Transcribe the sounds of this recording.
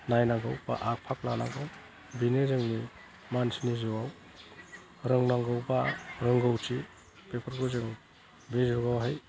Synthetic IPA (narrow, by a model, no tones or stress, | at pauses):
najnaɡawpa̰ʔak̚pʰak̚lana̰ɡaw | binezeŋni | mansinizɯwaw | ɾɯŋnaŋɡɯwpaɾɯŋɡɯwtʰi | pepʰəɾɡɯzeŋ | bezuɡawɦaj